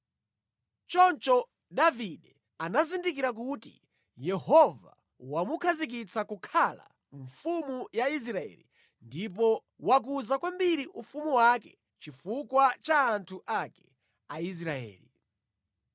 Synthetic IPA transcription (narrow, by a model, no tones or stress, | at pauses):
t͡ʃɔnt͡ʃɔ | daviɗɛ | anazindikiɾak̬utḭ | jɛhɔva | wamukʰazik̬it͡sakukʰala̰ | ɱfumujais̬ɾaɛ̰lḭ | ndip̬ɔ | wak̬uzakwambiɾiʔufumuwakɛ | t͡ʃifukwat͡ʃaːntʰuʔakɛ̥ | ais̬ɾaɛ̰ːli